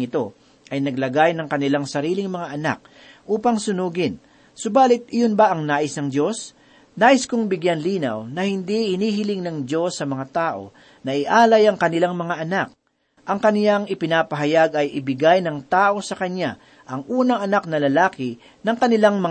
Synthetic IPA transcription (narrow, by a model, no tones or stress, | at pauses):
ɪt̪o̞ | ʔɐjnɐɡ̚lɐɡajnɐŋkɐnɪlaŋsɐɾiːlɪŋmɐŋaʔɐna̰k̚ | ʔuːpɐŋsʊnuːɡɪn | sobaːlɪt̪̚ɪjonbɐʔɐŋnaːʔɪsnɐŋd̪jo̞s | naːʔɪskʊŋbɪɡjanliːnɐ̰wnɐhɪnd̪ihɪniːhɪlɪŋnɐŋd̪jo̞sːɐmɐŋat̪aːʔo̞̰ | nɐʔɪʔaːlɐjɐŋkɐnɪlaŋmɐŋaʔɐnak̚ | ʔɐŋkɐnjaŋɪpɪnaːpɐɦɐjaɡɐjʔɪbɪɡajnɐŋt̪aːʔo̞sɐkɐɲːa | ʔɐŋʔuːnɐŋɐnak̚nɐlɐlaːkɪ | nɐŋkɐnɪlaŋmɐ